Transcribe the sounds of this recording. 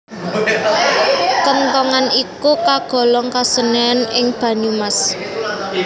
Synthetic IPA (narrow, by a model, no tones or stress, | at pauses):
kənt̪ɔŋanikukaɡ̥ɔ̤lɔŋkasənɛnɪŋb̥ä̤numas